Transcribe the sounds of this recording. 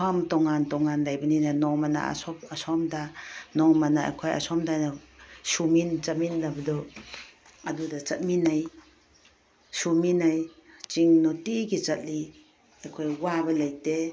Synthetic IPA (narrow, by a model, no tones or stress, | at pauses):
ɔmtɔŋantɔŋanlajbɐninanɔmana̰sɔpːsɔmdanɔmanaa̰jkʰoja̰sɔmdajnasumint͡ʃat̚minːabɐdɔ | ɐdudɐt͡ʃɐt̚minaj | suminajt͡ʃiŋnɔtiɡit͡ʃɐt̚li | ajkʰojwabɐlajte